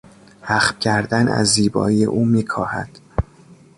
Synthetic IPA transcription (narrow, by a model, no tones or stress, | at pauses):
hæχfcʰæɾd̪ænæ̰zːiːbɒ̰ːiːjḛʔuːmiːkʰɒːhæ̰d̪̥